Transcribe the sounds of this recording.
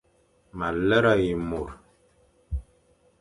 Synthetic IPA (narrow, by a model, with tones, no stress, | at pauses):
ma˨lə˦ɾa˦˨ji˨mu˨ɾ